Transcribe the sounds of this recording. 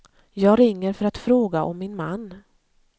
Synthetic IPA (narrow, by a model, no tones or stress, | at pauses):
jɑːɡɾɪŋːəɾfœɾat̪fɾoːɡaʔɔmːɪnmanː